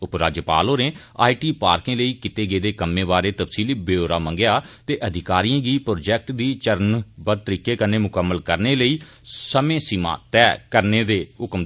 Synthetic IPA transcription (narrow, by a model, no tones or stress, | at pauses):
ʊpɾaːd͡ʒjəpa̰ːlɦoːɾẽː | a̰ːiʈiːpaːɾkẽːləiːkɪt̪eːɡeːd̪eːkəmːẽːbaːɾeːt̪əfsiːliːbeːoːɾaːmə̃ŋɡejaːt̪eːʔəd̪ʱɪkaːɾiãːɡiːpɾoːd͡ʒɛːk̚ʈd̪iːt͡ʃəɾənbəd̪̚t̪əɾiːkeːkəɾneːmʊkəmːəlkəɾneːləiː | səmẽːsimã̰ːt̪ɛːkəɾneːd̪eːʊkm